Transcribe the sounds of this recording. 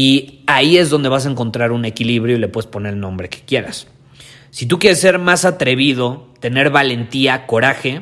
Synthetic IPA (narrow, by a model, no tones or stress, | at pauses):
iaie̞zðo̞nd̪e̞βas̬ae̞ŋko̞nt̪ɾaɾune̞kiliβɾjo̞ile̞pwe̞ðespo̞neɾelnõmbɾe̞ke̥kje̞ɾa̰sː | it̪̬ukje̞ɾesːe̞ɾmasat̪ɾe̞β̞ið̞o̞t̪e̞ne̞ɾβale̞nt̪iako̞ɾaxe̞